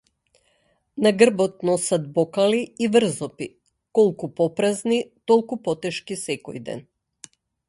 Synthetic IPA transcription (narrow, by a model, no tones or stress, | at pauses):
naɡr̩bɔt̪̚nɔsat̪̚bɔkaliːvr̩zɔpi | kɔlˠkupɔpɾaznit̪ɔlˠkupɔt̪ɛʃkisɛkɔ̰jd̪ɛ̰n